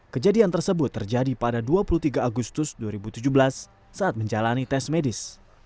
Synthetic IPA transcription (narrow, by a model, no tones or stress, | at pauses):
kəd͡ʒadiant̪ərsəbʊt̪ːərd͡ʒadipadaduapulut̪iɡaːɡust̪ʊsduaɾibut̪ud͡ʒubəlasː | aʔːt̪̚məɲd͡ʒalanit̪ɛsmedɪs